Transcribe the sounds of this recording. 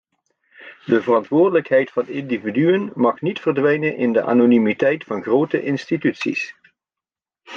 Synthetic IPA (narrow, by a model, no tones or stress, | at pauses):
dəvərɑntʋʊːrdələkɦɛjtfɑndɪndividyənmɑχnitfərdʋɛjnənʔɪndəʔa̰ːnonimitɛjtfɑnχrowtəʔɪnstitytsḭs